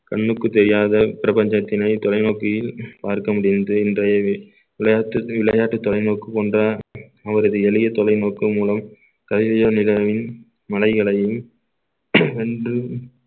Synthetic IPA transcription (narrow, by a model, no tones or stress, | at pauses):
kɐɳːɯkːɯt̪ːɛɾɪjaːðɐpɪɾɐbɐɲd͡ʒɐt̪ːɪnɐɪt̪ɔlɐɪnoːkɪjɪlpaːɾkɐmʊɽɪnɐd̪ɯɪndrɐjɐ | ʋɪlɐjaːʈːɯʋɪɭɐjaːʈːɯt̪ːɔlɐɪnoːkːɯpoːndraɐʋɐɾɐðɯɛlɪjɐt̪ɔlɐɪnoːkːɯmuːlɐm | kɐðɪsɐjɐnɪlɐʋɪn | mɐlɐɪɣɐɭɐjɯm | ɛndrɯ